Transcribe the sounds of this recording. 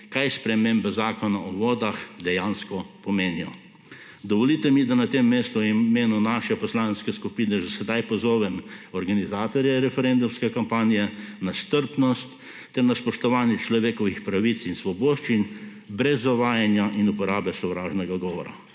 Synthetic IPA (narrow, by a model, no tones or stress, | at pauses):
kajspɾɛmembɛzaːkɔnaʔɔʋɔːd̪axd̪ɛjaːnskɔpɔmeːnijɔ̰ | d̪ɔʋɔlit̪ɛmid̪anat̪emːeːst̪uimeːnunaːʃɛpɔslaːnskɛskupiːnɛʒɛsɛd̪ajpɔzɔːʋɛmɔɾɡanizaːt̪ɔɾjɛɾɛfɛɾɛnd̪umskɛkampaːnijɛnast̪əɾpnɔst̪ː | ɛɾnaspɔʃt̪ɔʋaːnjɛt͡ʃlɔʋeːkɔʋixpɾaʋit̪sinsʋɔboːʃt͡ʃin | bɾɛzːaʋaːjanjaʔinupɔɾaːbɛsɔʋɾaːʒnɛɡaɡɔːʋɔɾa̰